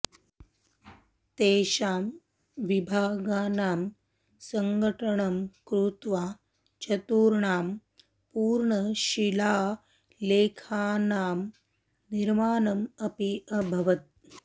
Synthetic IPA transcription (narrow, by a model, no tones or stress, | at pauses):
t̪eːɕaːm | ʋibʱaːɡaːnaːm | səŋɡəʈəɳɐmkɾut̪ʋaː | t͡ʃɐt̪uːɾɳaːm | puːɾɳəɕilaː | leːkʰaːnaːm | niɾmaːnɐmɐpiɐbʱɐʋɐt̪̚